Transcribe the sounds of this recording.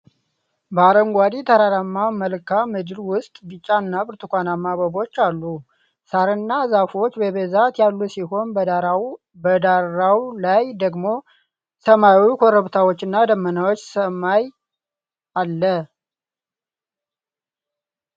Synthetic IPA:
bəaɾəŋɡʷad̪it̪ʰəɾaɾamːaməlkʰamɨd͡ʒɨɾwʊst̪ʼbɨt͡ʃʼːanːabɨɾt̪ʰukʷanamːabəbo̞t͡ʃːalːu | saɾɨnːazafo̞t͡ʃːbəβezat̪jalːusiho̞nbəd̪a | bəd̪aɾawlajd̪əɡmo̞ | səmajwikʰoɾəβt̪ʰawot͡ʃːɨnːad̪əmːənawot͡ʃːsəmaj | ʔalːə

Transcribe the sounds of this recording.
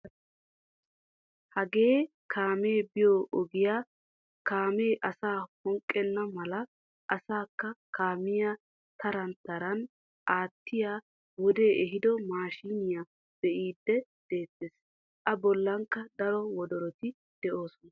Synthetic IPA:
hɐɡe̞ː | kʰaːme̞ːbɪjoʔɔɡɪjaː | kaːmeːʔɐsaːhɔŋkʼːɛnːɐmɐlɐ | ʔɐsaːkːɐkaːmɪja | t̪ɐɾɐnt̪ːɐɾɐn | ʔaːt̪ːɪjaː | wɔd̪e̞ːʔɛɦɪd̪ɔmaːʃiːnɪja | b̥ɛʔiːd̪ːɛd̪̥e̞ːt̪ːeːs | ʔɐbɔlːɐŋkːɐd̪ɐɾɔwɔd̪ɔɾɔt̪ɪ | d̪̥ɛʔo̞ːsɔnɐ

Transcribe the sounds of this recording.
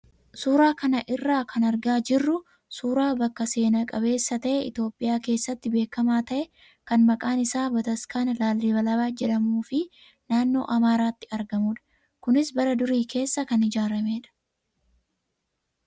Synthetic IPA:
suːɾaːkɐnɐʔɪrːaːkʰɐnɐɾɡaːd͡ʒɪrːʊ | suːɾaːbɐkːɐse̞ːnɐkʼɐβe̞ːsːɐt̪ɐʔɛɪ̰t̪jo̞ːpʼːɪjaːke̞ːsːɐt̪ːɪbe̞ːkːɐmaːt̪ɐʔɛ | kɐnmɐkʼaːnɪsaːbɐt̪ɐskaːnlaːlːɪbɐlɐbaːd͡ʒɛᶑɐmuːfɪ | naːnːo̞̰ːʔɐmaːɾaːt̪ːɪ̥ɐɾɡɐmuːᶑɐ̥ | kʊnɪsbɐɾɐd̪ʊɾiːkʰe̞ːsːɐkɐnɪd͡ʒaːɾɐme̞ːᶑɐ̥

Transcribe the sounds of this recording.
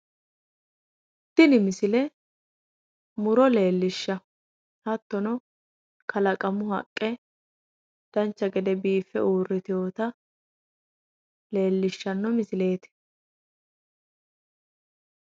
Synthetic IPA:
t̪ːɪnɪmɪsɪlɛ | mʊɾɔle̞ːlːɪʃːɐ | hɐt̪ːɔnɔ | kɐlɐkʼɐmʊhɐ̰kʼːɛ | d̪̥ɐnt͡ʃːɐɡɛd̪ɛbiːfːɛ̰uːrːɪt̪ɪjo̞ːt̪ɐ | le̞ːlːɪʃːɐnːɔmɪsɪle̞ːt̪ɪ̥

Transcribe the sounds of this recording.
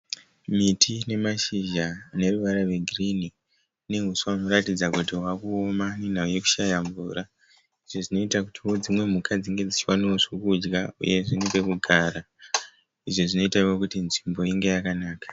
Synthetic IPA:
mitʰine̞maʃiʒane̞ruʋaɾaʋeɡʱirini | ne̞ɦusuano̞ɾatid͡zakutiɦwakuomanen̤auje̞ku̥ʃajaɱvuːɾa | iʐo̞ʐino̞itakutiod͡zimwe̞m̤ukad͡ziŋɡe̞d͡zit͡ʃiwaniwoʐokud͡ʒɡaṵje̞ʐinipekuɡʱaːra | iʐo̞ʐino̞itawokutinʐimbo̞iŋɡe̞jakanaːkḁ

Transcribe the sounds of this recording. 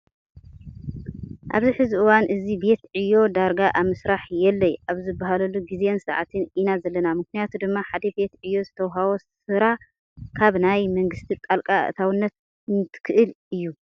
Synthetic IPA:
ʔa̰βziħɨziʔɨwanʔɨzibe̞t̪ʕɨjːo̞d̪aɾɡaʔaβmɨsɾaħjɛlːɐjʔaβzɨbːaɦalɐlːuɡizeensɐʕat̪ʰɨnʔinazɐlːɐnamɨknijat̪ʰud̪ɨmːaħad̪ɐbe̞t̪ʕɨjːo̞zɨt̪ʰɐwɦawos | ɨɾa | kʰaβnajmɐŋɡɨst̪ʰit̪ʼalkʼaɨ̰t̪ʰawɨnːɐt̪̚ | ɨnt̪ʰɨ̥kʰɨʔɨl | ɨjːu

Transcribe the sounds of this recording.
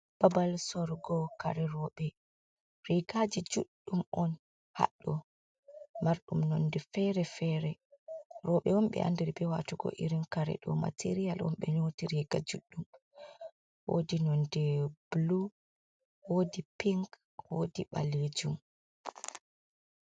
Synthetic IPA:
b̥abalsɔɾɡɔkaɾɛɾɔɓɛ | ɾiɡad͡ʒid͡ʒuɗːumɔn | ha̰ɗːɔ | maɾɗumnɔndɛfɛɾɛfɛɾɛ | ɾɔɓɛwɔmɓɛ̰ʔa̰ndiɾbɛwatuɡɔ̰ʔiɾinkaɾɛ̰ɗɔ̰ma̰tʰeɾijalwɔ̰mɓɛnotiɾiɡad͡ʒuɗːum | wo̰dinɔndɛblu | wodipiŋk | wodiɓa̰led͡ʒum

